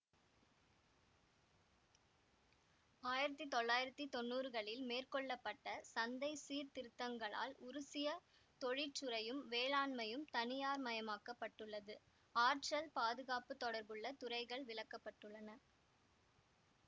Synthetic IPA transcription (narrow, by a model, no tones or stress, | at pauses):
aːjɪɾɐt̪ːit̪ɔɭːaːjɪɾɐt̪ːit̪ɔnːuːɾɯɣɐɭɪlmeːrkɔɭːɐpːɐʈːɐsɐnd̪ɐɪsiːɾt̪ɪɾɯt̪ːɐŋɡɐɭa̰ːlʊɾʊsɪjɐ | t̪ɔɻɪt͡ʃːɯɾɐjɯmʋeːɭaːnmɐjɯmt̪ɐnɪjaːɾmɐjɐmaːkːɐpːɐʈːɯɭːɐðɯ | aːɾʈrɐlpaːðɯɣaːpɯt̪ːɔɽɐɾbɯɭːɐt̪ʊɾɐɪɣɐɭʋɪɭɐkːɐpːɐʈːɯɭːɐnɐ